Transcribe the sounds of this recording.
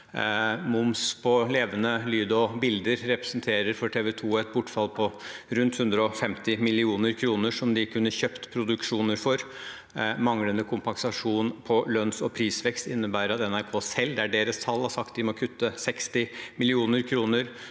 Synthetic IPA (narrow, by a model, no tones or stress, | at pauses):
mʊmspʰɔleːʋənəlyːd̪ɔbɪld̪əɾɾɛpɾɛ̥sənt̪ʰeːɾəɾfɔʈʰeːʋɛt̪ʰuːɛt̪̚bʊʈːfɑlpʰɔɾʉnt̪hʉnd̪ɾəɔfɛmt̪ɪmɪlɪuːnəɾkʰɾuːnəʂɔmd̪ɪkʰʉnːəçøːpt̪pʰɾʊd̪ʉkʂuːnəɾfɔɾ | mɑŋlənəkʰʊmpɑŋsɑʂuːnpʰɔlœnsɔpʰɾiːsʋɛkst̪ɪnːəbæːɾəɾɑt̪ɛnæɾkʰoːsɛlːd̪ɛæɖeːɾəst̪ʰɑlːhɑʂɑk̚t̪̚d̪ɪmɔkʰʉt̪ːəsɛkst̪ɪmɪlɪuːnəɾkʰɾuːnəɾ